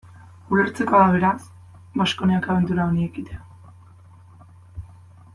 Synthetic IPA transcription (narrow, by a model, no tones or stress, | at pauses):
ule̞ɾt͡se̞koaβe̞ɾas | maʃko̞neakaβend̪uɾaoniekit̪e